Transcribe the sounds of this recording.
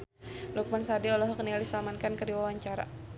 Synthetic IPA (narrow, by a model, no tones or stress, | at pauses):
luk̚mansadiɔlɔɦɔk̚nialisalamankankədiwawaɲt͡ʃaɾa̰